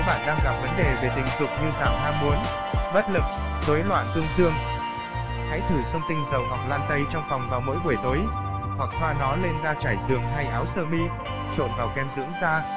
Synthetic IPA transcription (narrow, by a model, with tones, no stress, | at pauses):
ɓa̰ː˧˨nɗaː˧ŋɣa˨˩p̚və˨˦nɗe˨˩ve˨˩t̪ï˨˩ŋ̟zʊ˨˩k͡p̚ɲɨ˧zaː˧˩wɦaː˧mu˨˦ən | ɓə˦˥t̚lɨ˨˩k̚ | zo˨˦jlwa̰ː˧˨nt̪ɨ˧əŋzɨ˧əŋ | ha̰ː˧˥jt̪ʰɨ˧˩sə˧wŋ͡mt̪ï˧ŋ̟zə˨˩wɦwa˨˩k̚laː˧nt̪ə˧jt͡ɕɔ˧wŋ͡mfɔ˨˩wŋ͡mvaː˨˩wmo̰˧˥jɓu˧˩əjt̪oː˨˦j | hwa˨˩k̚faː˧nɔ˨˦le˧nzaː˧t͡ɕaː˧˩jzɨ̰˨˩əŋɦa˧jʔaː˨˦wsəː˧mi˧ | t͡ɕo˧˩nvaː˨˩wkɛ˧˩mzɨ̰˧˥ŋzaː˧